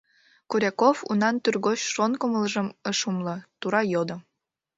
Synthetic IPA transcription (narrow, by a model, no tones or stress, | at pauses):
kuɾʲækofṵnɑnt̪yrɣoɕʃonkəməlʒəməʃumlɤ̆t̪uɾɑjod̪ŏ